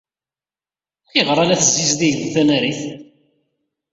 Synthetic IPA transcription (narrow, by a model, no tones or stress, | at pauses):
θiʁɾˤalæθzizðiʝðθænæɾiθ